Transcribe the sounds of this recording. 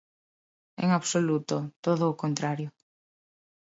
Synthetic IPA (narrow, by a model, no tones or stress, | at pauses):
ḛŋaβsolut̪ot̪oðʊːkont̪ɾaɾjʊ